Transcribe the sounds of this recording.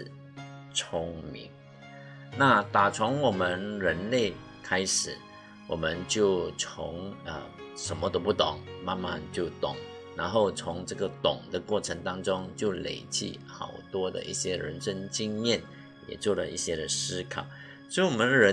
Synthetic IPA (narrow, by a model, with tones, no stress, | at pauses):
t͡sʰʊ˥ŋmḭ˧˥ŋ | na˥˩t̪a˨˩t͡sʰʊ˧˥ŋwɔ˨˩mə˦nɻə˧˥nle˥˩ɪ | kʰa˥ɪʂɻ̩˨˩˦ | wɔ̰˨˩mə˦nt͡ɕjo˥˩ʊt͡sʰʊ̰˧˥ŋə̰˧˩ʂə˧˥nmə˧t̪o˥pu˥˩t̪ʊ˨˩˦ŋma˥˧nma˥˨nt͡ɕjo˥˩ʊt̪ʊ˨˩˦ŋ | na˧˥nxo˥˩ʊt͡sʰʊ˧˥ŋʈ͡ʂɤ˥˩ɡə˨t̪ʊ˨˩ŋd̪ə˦kwɔ˥˩ʈ͡ʂʰə˧˥ŋt̪ɑ˥ŋʈ͡ʂʊ˥ŋt͡ɕjo˥˩ʊlḛ˨˩ɪt͡ɕḭ˥˩xɑ̰˨˩ʊt̪wɔ˥d̪ə̰˨ʔḭ˥˩ɕjɛ˥ɻə̰˧˥nʂə˥˧nt͡ɕi˥˧ŋmjɛ˥˩n | jɛ̰˨˩t͡swɔ˥˩lə̰˩ḭ˥˩ɕjɛ˥ɾə˨ʂɹ̩˥kʰɑ̰˨˩˦ʊ | sɔ˧˥i˥˩wɔ˨˩mə˦n˧ɻə˧˦˥